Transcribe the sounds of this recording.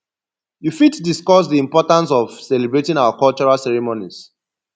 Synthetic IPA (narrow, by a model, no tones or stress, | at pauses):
jufitdiskɔs̬diĩmpɔtãns̬ɔv̥sɛlibɹetĩŋawakɔlt͡ʃɔɹalsɛɹimoniz̥